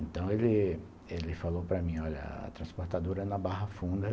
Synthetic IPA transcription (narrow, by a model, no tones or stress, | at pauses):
ẽnt̪ɐ̃w̃elɪ | elɪfalowpɾɐmĩɔʎɐ̰a̰t̪ɾɐ̃spoɾt̪ad̪oɾɐɛnɐbaɦɐfũnd̪ɐ